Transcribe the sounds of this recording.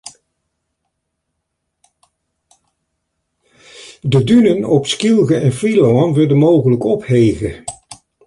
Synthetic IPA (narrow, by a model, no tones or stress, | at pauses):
dədynənɔpskilˠɣəɛnfilowɑnʋɪdənmowɣələkɔphejɣə